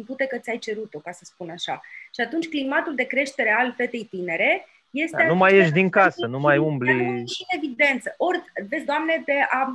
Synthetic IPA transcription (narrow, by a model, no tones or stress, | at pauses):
put̪ekət̪ʲajt͡ʃe̞ɾut̪o̞kasəspunaʃaʃiat̪unt͡ʃʲklimat̪uld̪e̞kɾe̞ʃt̪e̞ɾe̞alfe̞t̪e̞jt̪ineɾe̞ | je̞st̪eanumajeʃd̪iŋkasənumajumbliine̞vid̪e̞nt̪səʔo̞rʲvesʲd̪oamne̞pe̞a